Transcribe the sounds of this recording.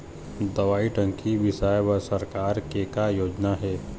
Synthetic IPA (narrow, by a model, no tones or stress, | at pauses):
d̪əʋaːiʈə̃ŋkiʋɪʃajʋəsəɾkaːɾkekajoːd͡ʒnaɦɛː